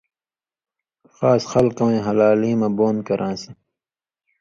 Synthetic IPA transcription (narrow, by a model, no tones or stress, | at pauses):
xaːsxʌlkɐwẽɦɐlaːliːmɐ̃boːnkɐɾʔãːsɐ